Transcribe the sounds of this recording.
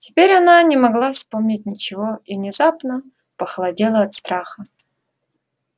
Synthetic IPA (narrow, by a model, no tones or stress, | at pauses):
tʲɪ̥pʲeɾʲɐnanʲɪmɐɡlˠafspo̞mnʲɪt̚ʲnʲɪt͡ɕɪvo̞ivnʲɪzapnə | pəxəlˠɐdʲelˠəɐt̪st̪ɾaxə